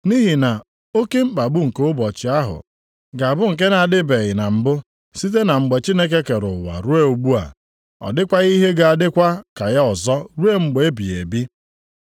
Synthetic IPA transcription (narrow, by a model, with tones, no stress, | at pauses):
ni˦ɦi˨na˨ | o˦ke˦m̩˦k͡pa˨ɡ͡bʊ˦ŋ̩˨ko˦ʊ˦bɔ˨t͡ʃɪ˨a˦ɦʊ̰˨ | ɡa˨a˨bʊ˦ŋ̩˨k̬e˦na˨a˨dɪ˦be˨ɣɪ˨na˨m̩˨bʊ˦ | si˦t̬e˦na˨ŋ͡m̩˨ɡ͡be˨t͡ʃi˦ne˦k̬e˦ke˨ɾʊ˨wa̰˨ɾu˦e˦u˨ɡ͡bu˦a̰˨ | ɔ̰˨dɪ˦kʷa˦ɣi˦ɦe˦ɡa˨a˨dɪ˦kʷa˦ka˨ja˦ɔ˨zɔ˦ɾu˦e˦ŋ͡m̩˨ɡ͡be˨e˦bi˨e˨bi˦